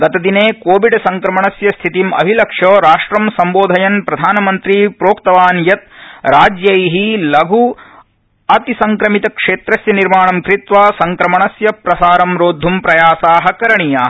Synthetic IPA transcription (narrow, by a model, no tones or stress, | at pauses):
ɡɐt̪ɐd̪ineːkoːʋiɖsɐŋkɾɐmɐɳɐsjɐst̪ʰit̪imɐ̰bʱilɐkʂoːɾaːʂʈɾɐmsɐmboːd̪ʱɐjɐnpɾɐd̪ʱaːnɐmɐnt̪ɾipɾoːkt̪ɐʋaːnjɐt̪̚ɾaːd͡ʒjɐjɦilɐɡʱu | ɐt̪isɐŋkɾɐmit̪ɐkʂeːt̪ɾɐsjɐniɾmaːɳɐmkɾit̪ʋaːsɐŋkɾɐmɐɳɐsjɐpɾɐsaːɾɐmɾoːd̪ʱːumpɾɐjaːsaːɦɐ̆kɐɾɐɳijaːɦɐ